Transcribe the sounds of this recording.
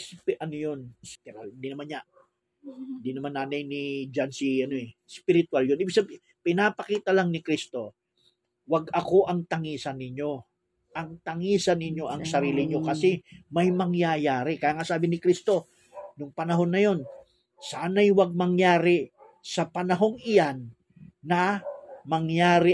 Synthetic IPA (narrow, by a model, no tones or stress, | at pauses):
spɛʔɐnojonspɪɾalnd̪inɐmanɲa | ɪnd̪inɐmanːaːnajnɪd͡ʒansiɐnoɛspɪɾɪt̪waljoniːbiɡsɐbɪ | pɪnapɐkiːt̪ɐlaŋnɪkɾist̪o̞ | wɐɡɐko̞ʔɐŋt̪ɐŋiːsɐnːɪɲo̞ | ʔɐŋt̪ɐŋiːsɐnːɪɲo̞ʔɐŋssɐɾiːlɪɲo̞kɐsɛmɐjmɐŋjajaːɾɪkɐjaːŋasaːbɪnɪkɾist̪o̞ | nʊŋpɐnɐɦo̞nːɐjo̞n | saːnɐjwɐɡ̚mɐŋjaːɾɪ | sɐpɐnɐɦo̞ŋʔɪjanː | ɐmɐŋjaːɾɪ